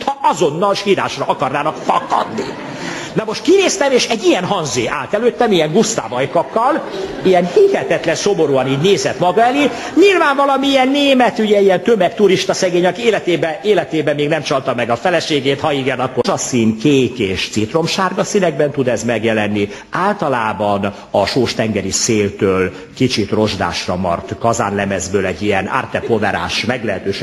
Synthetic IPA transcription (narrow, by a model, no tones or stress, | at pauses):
t̪hɒɒzo̞nːɒlʃhiːɾa̰ːʃrɒʔɒkɒrnaːnɒkfɒkɒ̰d̪nḭ | nɒmo̞ʃt̪kineːst̪ɛmeːʃɛɟːijɛnɦɒnzḛːʔa̰ːt̪ɛløːt̪ːɛmijɛŋɡust̪a̰ːvɒjkɒkːɒl | ijɛnhihɛt̪ɛt̪lɛnso̞mo̞ɾuːɒniːɟneːzɛt̪mɒɡɒɛliɲilvaːɱvɒlɒmiiɛnːeːmɛt̪uɟɛijɛnt̪ømɛkt̪uɾiʃt̪ɒsɛɡeːɲɒkeːlɛt̪eːbɛeːlɛt̪eːbɛmːeːɡnɛmt͡ʃɒlt̪ɒmːɛɡɒfɛlɛʃeːɡeːt̪hɒiɡɛnɒkːozɒsiːnkeːkeːʃt̪sit̪ro̞mʃaːrɡɒsinɛɡbɛnt̪ud̪ɛzmɛɡjɛlɛnːi | aːlt̪ɒlaːbɒn | ɒʃoːʃt̪ɛŋɡɛɾiseːlt̪øːl | kit͡ʃit̪ro̞ʒd̪a̰ːʃrɒmɒ̰rt̪kɒza̰ːnlɛmɛzbøːlɛɟːiɛna̰ːrt̪ɛpovɛɾa̰ːʃmɛɡlɛɦɛt̪øːʃ